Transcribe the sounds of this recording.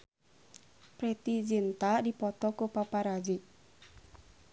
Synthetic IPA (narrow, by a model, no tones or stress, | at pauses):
pɾet̪id͡ʒent̪adipɔt̪ɔkopapaɾad͡ʒeʔ